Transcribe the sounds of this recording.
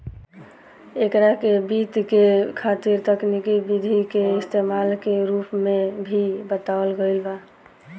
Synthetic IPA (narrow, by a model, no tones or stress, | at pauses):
ekɾakebit̪kekʰat̪iɾt̪əknikibid̪ʱikeɪst̪emalkeɾupmebʱibət̪aəlɡəɪlba